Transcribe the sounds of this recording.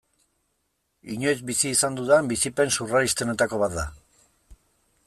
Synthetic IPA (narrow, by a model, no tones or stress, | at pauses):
iɲo̞jzbisiːsand̪uðambisipe̞nsuraɾist̪e̞ne̞t̪ako̞β̞at̪̚d̪a̰